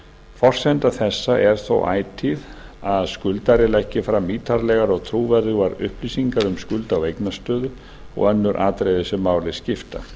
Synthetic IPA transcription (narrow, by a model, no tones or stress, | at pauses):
fɔr̥sɛnt̪aθɛsːaʔɛɾ̥θo̰wʔa̰ːjt̪ʰiðaðskʏlt̪aɾɪlɛhcːɪfɾamːiːt̪ʰaɾlɛɣaɾɔɣt̪ʰɾuːvɛɾðʏvaɾʏ̰hpliːsiŋkaɾʏmskʏlt̪awejknast̪œːðʏ | ɔ̰ɣœnːʏɾʔaːt̪ɾejðɪsɛmːaːwlɪscɪft̪a̰